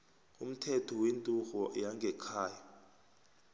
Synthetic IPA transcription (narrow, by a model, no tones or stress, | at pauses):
um̩tʰɛtʰɔwentʼuxɔjaŋɡʱɛkʰaːja